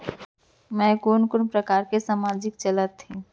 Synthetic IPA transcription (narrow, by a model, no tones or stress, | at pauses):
mɛ̃konkʊnpɾəkaːɾkesaːmaːd͡ʒɪkt͡ʃələt̪ʰːĩ